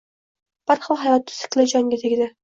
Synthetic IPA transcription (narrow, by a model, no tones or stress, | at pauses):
b̥aɾχɒlˠɦajɒt̪̚ʰːʊ̥sɪ̥kʲlˠad͡ʒɒŋɡʲat̪ʰeɡʲɪd̪a